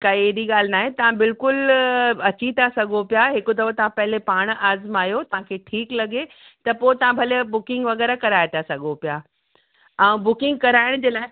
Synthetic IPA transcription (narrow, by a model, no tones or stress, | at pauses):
kɐieːd̪iɠaːl̤ɪnaːɦẽt̪ɐʋ̤ãbɪlkʊlɐt͡ɕit̪ʰasɐɡʱopijaɦɪkʊd̪ɐʋət̪ɐʋ̤ãpɐɦɪlepaːɽ̃ʔaːzmaːjot̪ɐʋ̤ãkʰeːʈʰiːklɐɡe | t̪ɐpoːt̪ɐʋ̤ãbʱɐlebʊkɪ̃ŋɡʋɐɣɛːɾakɐɾaːet̪ʰasɐɡʱopija | ɛ̃ũbʊkɪ̃ŋɡ̚kɐɾaːɪɽ̃ʊd͡ʑeːlaː